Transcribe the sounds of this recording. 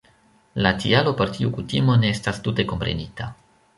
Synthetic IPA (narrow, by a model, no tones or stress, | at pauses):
latḭalo̞po̞ɾtiukutimo̞ne̞estastute̞ko̞mpɾe̞̰nita